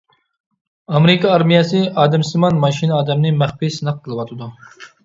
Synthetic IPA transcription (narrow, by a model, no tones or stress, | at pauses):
ɑmɾɪkʰɑːɾmijɑsɨɑːd̪ɛmsɪmɑnmɑʃinɑːd̪ɛmnɨmæχpisnɨq̚t̪ʰɨlˠɨwɑt̪ʰɨd̪u